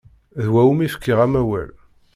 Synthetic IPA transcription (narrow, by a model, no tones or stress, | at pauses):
ðwæwmifə̥kːiʁæmæwæ̰l